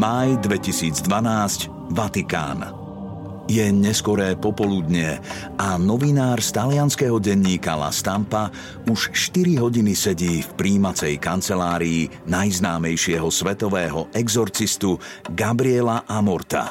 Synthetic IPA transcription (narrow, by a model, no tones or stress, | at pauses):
majd̪ʋɛcisiːd͡zd̪ʋanaːsc | ʋat̪ika̰ːn | jɛɲɛskwɔɾɛːpɔpɔlud̪ɲɪɛ | anɔʋinaːɾst̪alɪanskɛɦɔɟɛɲːiːkala̰st̪ampa | uʃʃt̪iɾiɦɔɟinisɛɟiːfpɾiːmat͡sɛjkant͡sɛlaːɾiː | najznaːmɛjʃɪɛɦɔsʋɛt̪ɔʋɛːɦɔʔɛɡzɔɾt͡sist̪u | ɡabɾiɛlaʔamɔɾt̪a̰